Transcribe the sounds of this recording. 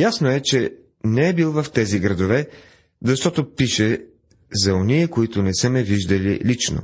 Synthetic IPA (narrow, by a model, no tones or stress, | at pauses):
jasnoɛt͡ʃɛ | nɛɛbilˠvɐft̪ɛziɡɾɐd̪ovɛ | zɐʃt̪ɔt̪opiʃɛ | zɐoniəkoit̪ʊnɛsəmɛviʒd̪ɐlḭlit͡ʃno̰